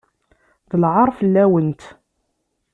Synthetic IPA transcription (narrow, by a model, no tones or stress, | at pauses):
ðəlʕɑɾˤfəlːæwənt̪